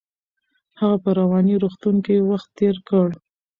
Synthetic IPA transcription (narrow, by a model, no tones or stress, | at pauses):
haɣapəɾawɑniɾoxt̪uŋkejewaxt̪ːeɾkəɽ